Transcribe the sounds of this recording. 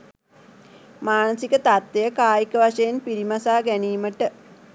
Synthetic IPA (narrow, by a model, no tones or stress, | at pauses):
maːnəsikət̪at̪ʋejəkaːjikəʋaʂəjenpiɾimasaːɡæniːməʈə